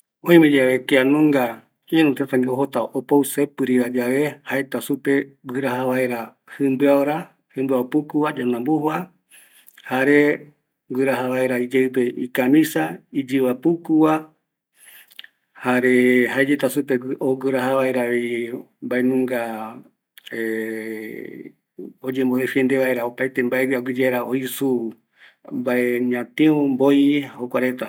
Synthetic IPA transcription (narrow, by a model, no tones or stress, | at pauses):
õĩmẽd͡ʒaβekeanũŋɡa | ienũt̪et̪aŋɡeoɦot̪aʔopowsepɨɾiβad͡ʒaʋehaet̪asupebɨɾahaβaeɾa | hɨmbɨaoɾa | hɨmbɨaopukuad͡ʒanãmbuhwa | haɾe | ɡɨɾaɦaβaeɾaid͡ʒewpeikamĩsaid͡ʒɨβapukuwa | haɾe̞haed͡ʒet̪asupeoɡɨɾahaβaeɾaβei | mbaenũŋɡa | e | od͡ʒemboðefiend̪e̞βaeɾaopajt̪e̞mbaeβiaɡɨd͡ʒeɾaoisu | mbaeɲãt̪ẽũmbojhokʷaɾe̞t̪a